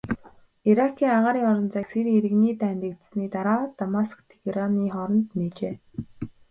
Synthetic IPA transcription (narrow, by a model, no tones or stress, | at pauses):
iɾakʰːiːŋaʁaːɾiːŋɔɾɞ̆nt͡sakseɾeɾɘ̆ɣniːt̪ʰæːnt̪ə̆kt̪̆sniːt̪aɾaːt̪amaskt̪ʰe̥ɡɾaniːχɔɾɞ̆nt̪neːt͡ɕeː